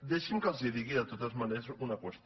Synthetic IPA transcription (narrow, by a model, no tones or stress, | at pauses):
d̪eʃimkazeðiɣiðat̪ot̪azmanesunakwest̪